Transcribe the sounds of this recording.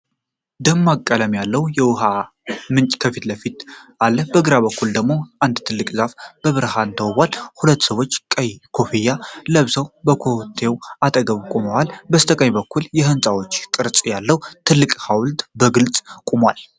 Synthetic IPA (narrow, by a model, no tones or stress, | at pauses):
d̪əmːakʼːələmjalːəwjɛwʊɦa | mɨnt͡ʃʼkʰəfit̪ləfit̪ʔalːəbəɡɨɾaβəkːuld̪əɡmo̞ʔand̪t̪ʰɨlːɨkʼzafbəβɨɾhaɨnd̪ʰəwβʷalhulət̪ːsəβo̞t͡ʃːkʼkʰo̞fijaləβsəwbəkʰot̪ʰːe̞wʔat̪ʼəɡəβkʼuməwalbəst̪ʰəkʼəɲbəkʰːuljɛɦɨnsʼawot͡ʃːkʼɨɾt͡sʼjalːəwt̪ʰɨlːɨkʼhawlt̪ʼbəɡɨlt͡sʼkʼumwal